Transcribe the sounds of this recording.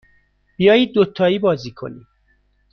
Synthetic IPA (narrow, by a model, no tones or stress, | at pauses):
b̥ijɒːjiːd̪̚ːot̪ʰːɒːiːbɒːziːkʰo̞̰nḭ̥